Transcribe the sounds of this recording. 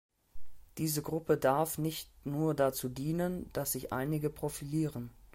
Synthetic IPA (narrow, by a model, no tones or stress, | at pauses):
d̥iːzəɡʁʊpədaɐfnɪçtnuːɐdat͡suːdiːnənd̥asz̥ɪçʔa̰ɪnɪɡəpʁ̥ofiliːʁən